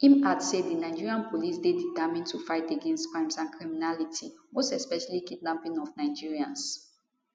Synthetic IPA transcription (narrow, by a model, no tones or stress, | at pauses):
ĩmadseddinaɪd͡ʒiɹiãnpʰolisdeditamĩntʰufaɪteɡɛ̃nstkɹãɪ̃msãnkʰɹiminalitʰimostɛspɛʃalikitnãpĩnɔfnaɪd͡ʒiɹiãns